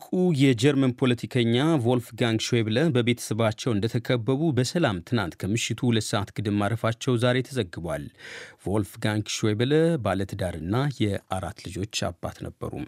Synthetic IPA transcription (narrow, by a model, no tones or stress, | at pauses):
kʼujɛd͡ʒɛɾmənpʰo̞lət̪ʰikʰəɲːavo̞lfɡaŋɡʃweβləbəβe̞t̪ʰə̥səβat͡ʃːɛwɨnd̪ət̪ʰəkʰəbːəβubəsəlamt̪ʰɨna̰nt̪kʰəmɨʃɪt̪ʰuhulət̪ːsəʔat̪ɡ̥ɨd̪ɨmmːaɾəfat͡ʃːɛwzaɾe̞t̪ʰəzəɡːɨbwa̰lvo̞lfɡaŋɡʃweβləbalət̪d̪aɾɨnːajɛaɾa̰t̪ːlɨd͡ʒo̞t͡ʃːa̰bːa̰t̪nə̰bːə̰ɾṵm